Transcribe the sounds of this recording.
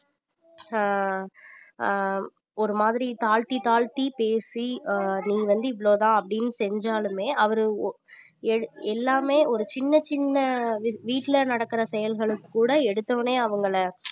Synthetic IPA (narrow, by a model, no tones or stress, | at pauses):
ɔɾɯmaːðɪɾit̪aːɻt̪it̪aːɻt̪ipeːsiniːʋɐnd̪ɯɪʋːɐɭoːt̪ãːɐpːɐɽɪnːɯsɛɲd͡ʒaːlɯmeːʔɐʋɐɾɯ | ɛɽɛlːaːmeːʔɔɾɯt͡ʃɪnːɐt͡ʃɪnːɐʋiːʈːɪlɐnɐɽɐkːɪɾɐsɛjɐlɣɐɭɯkːɯkːuːɽɐɛɽɯt̪ːɐʋneːɐʋɐŋɡɐɭɐ